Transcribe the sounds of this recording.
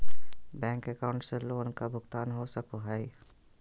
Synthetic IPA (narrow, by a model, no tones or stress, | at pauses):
bɛ̃ːŋkɛkaːʊ̃ɳʈseloːnkabʊɡt̪aːnɦosɐkoɦɛi